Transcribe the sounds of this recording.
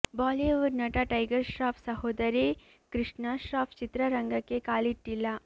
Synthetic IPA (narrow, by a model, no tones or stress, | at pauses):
baːliʋɐɾnɐʈaʈɐjɡɐɾʃɾaːpʰsɐɦoːd̪ɐɾi | kɾɨʂɳaʃɾaːfʰt͡ʃit̪ɾɐɾɐŋɡɐkːekaːliʈːilːɐ